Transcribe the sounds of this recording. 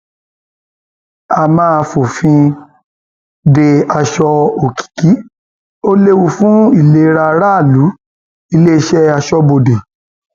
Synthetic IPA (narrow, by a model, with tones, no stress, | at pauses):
a˧mãː˦fo˨fĩ˧ | de˧a˧ʃɔ˧o˨ki̥˨ki˨˦ | o˦le˦wu˧fũ˦i˦˨le˨˦ɾa˧ɾa˦˨lu˨˦ | i˧le˦i˧ʃɛ˦a˧ʃɔ˧bo˨de˨